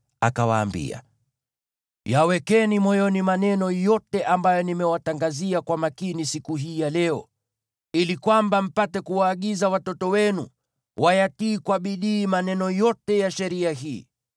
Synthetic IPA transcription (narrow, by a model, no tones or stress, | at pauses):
a̰kawa̰ːmbḭa̰ | jawɛkɛnimɔjɔnimanɛnɔjɔtɛʔambajɔnimɛwataŋɡaziakwamakinisikuɦiːjalɛɔ̰ | ilikwambam̩patɛkuwaːɠizawatɔtɔwɛnṵ | wʔajatiːkwaɓiɗiːmanɛnɔjɔtɛjaʃɛɾiaɦiː